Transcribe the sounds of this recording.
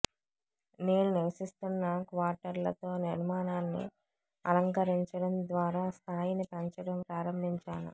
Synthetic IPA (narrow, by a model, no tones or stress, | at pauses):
neːnuniʋsisʈɐmːaːkʋaːʈɐɾlɐt̪o̞ːniɾmaːnaːnːḭ | ɐ̰lɐŋkɐɾiɲt͡ʃɐɽɐmd̪ʋaːɾaːst̪ʰaːjinipɐɲt͡ʃɐɽɐmpɾaːɾɐmbʱiɲt͡ʃaːnṵ